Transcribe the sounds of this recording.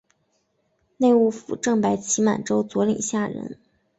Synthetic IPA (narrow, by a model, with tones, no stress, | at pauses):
ne˥˧ɪu˥˩fṵ˨˩ʈ͡ʂɤ˥˩ŋpa˧˥ɪt͡ɕʰi˧˥ma̰˨˩nʈ͡ʂo˥ʊt͡swɔ˧˥lḭ˨˩ŋɕja˥˩ɻə̰˧˥n